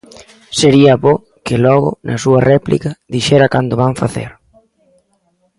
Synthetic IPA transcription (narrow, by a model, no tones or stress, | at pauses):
seɾiɐβo | kɪlɔɣʊ̰nʔɐ̰suɐrɛplḭkɐðiʃɛɾɐkand̪ʊβaɱfaθḛɾ